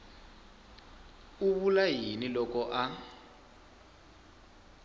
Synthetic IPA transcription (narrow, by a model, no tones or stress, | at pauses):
uβulaɦinilɔkɔʔa